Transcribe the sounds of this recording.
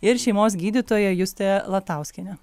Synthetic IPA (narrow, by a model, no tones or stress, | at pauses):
ɪɾʃʲɛɪmoːs̬ɡʲiːd̪ʲit̪oːjɛjʊsʲt̪ʲɛlˠɐt̪ɐˑʊsʲkʲɪnʲɛ